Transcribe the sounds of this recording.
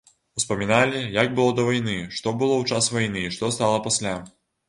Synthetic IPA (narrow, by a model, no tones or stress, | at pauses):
uspɐmʲinalʲijaɡbɨlˠɔd̪ɐvajnɨʂt̪ɔbɨlˠɔwt͡ʂasvajnɨʂt̪ɔst̪alˠɐpasʲlʲa